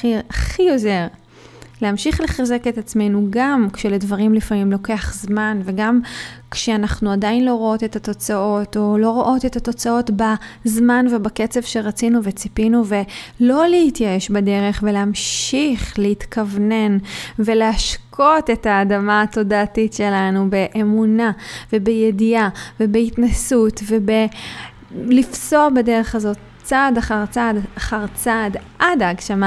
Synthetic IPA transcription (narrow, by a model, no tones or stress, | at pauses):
iaχio̞zeʁ | leamʃiχleχazeke̞tat͡sme̞jnuɡamkʃeledvaʁimlifamimlo̞ke̞aχzmanve̞ɡamkʃeanaχnuadainlo̞ʁoo̞te̞tato̞t͡sao̞to̞lo̞ʁoʔo̞te̞tato̞t͡sao̞tbazmanvebaket͡se̞vʃe̞ʁat͡sinuve̞t͡sipinuve̞lo̞lehitjaeʃbade̞ʁe̞χveleamʃiχlehitkʰavne̞nve̞lehaʃkʰo̞te̞taːdamaːto̞daːtitʃe̞lanube̞ʔemunave̞bejediavebeitnasutve̞be | lifso̞bedeʁe̞χazo̞ | t͡sadaχaʁt͡sadaχaʁt͡sadʔadaaɡʃama